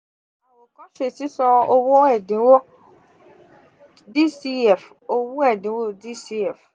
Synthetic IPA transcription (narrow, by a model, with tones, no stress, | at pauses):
a˨wo˨kɔ˦ʃe˦˨ti˨˦sɔ˧o˦˧wõ˦ɛ˦˨dĩ˨˦wo˦ | di˦si˦ɛ˨f | o˧wũ˦ɛ˦˨dĩ˨˦wo˦di˦si˦ɛ˨f